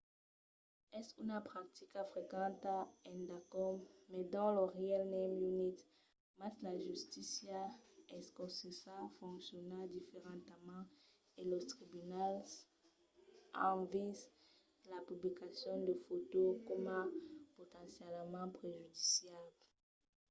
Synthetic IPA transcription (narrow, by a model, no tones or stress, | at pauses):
ɛsynapχak̚t̪ikafʁekɑ̃t̪aɛ̃nd̪akɔmɛd̪ɑ̃ləʁealnɛmjunit̪ | maslaʒyst̪isjaɛskɔ̃sesãfɔ̃ksjɔnad̪ifeʁɑ̃t̪amɑ̃ | elɔt̪χibynal | ãviz | lapyblikasjɔ̃d̪əfot̪okɔmapot̪ɑ̃sjɛlmɑ̃pχeʒyd̪isjab